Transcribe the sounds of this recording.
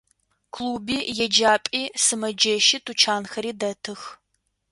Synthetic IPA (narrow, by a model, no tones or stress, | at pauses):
kʰluːbiːjɛd͡ʒaːpʼiːsɨmɐd͡ʒɐʃɪtʰut͡ʃʰaːnxɐɾiːdɐtʰɨx